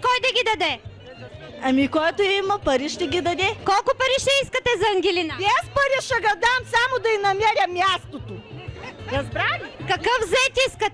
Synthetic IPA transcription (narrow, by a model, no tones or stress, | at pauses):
kɔjd̪ɐɡʲid̪ɐd̪ɛ | ɐmikoɛt̪oimɐpɐɾiʃt̪ɛɡʲid̪ɐd̪ɛkɔlˠkʊpɐɾiʃɛiskɐt̪ɛzɐɐŋɡʲɛlinɐaspɐɾʲiʃɐɡɐd̪amsamod̪ɐinɐmɛɾʲɐmːʲjast̪ot̪o | ɾɐzbɾavʲikɐkɤfzɛt̪ʲiskɐt̪ɛ